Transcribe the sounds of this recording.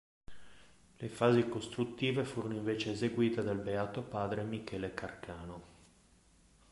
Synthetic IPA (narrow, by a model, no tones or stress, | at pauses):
lefaːzikost̪ɾut̪ːiːvefuːɾonoiɱveːt͡ʃeːzeɡwiːt̪ed̪albeaːt̪opaːd̪ɾemikɛːlekarkaːno